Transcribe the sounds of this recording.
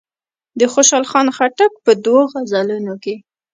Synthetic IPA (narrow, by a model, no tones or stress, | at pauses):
d̪əxoʃɑlxɑnxaʈak̚pəd̪woɣazalunoke